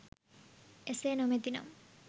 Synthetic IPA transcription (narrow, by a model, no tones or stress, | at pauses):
eseːnomet̪inɐ̰m